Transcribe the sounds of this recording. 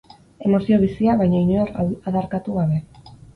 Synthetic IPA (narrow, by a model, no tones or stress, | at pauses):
e̞mo̞sio̞β̞isiaβajɲaiɲuaɾaðaɾkat̪uɣaβe̞